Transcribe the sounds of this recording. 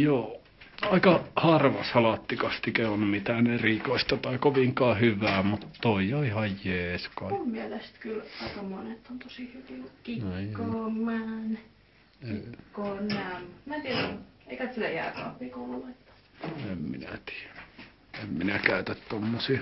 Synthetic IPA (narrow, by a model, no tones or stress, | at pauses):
joː | ɑikɑhɑrʋɑ̰shɑlɑt̪ːikɑst̪ikeonmit̪æːnerikoist̪ɑt̪ɑikoʋiŋkɑːhyʋæːmut̪toijoihɑjjeːskɑummielest̪kylɑikɑmonet̪ont̪osihyʋikikomːæːn | ekonːæmmæt̪ieræ | eikæt̪silæjæ̰ːkɑ̰ʋʋiːkolulet̪ːɑ̥ | emmḭnæ̰t̪i̥ːæ̥ | emminækæˑyt̪æt̪t̪omːosiː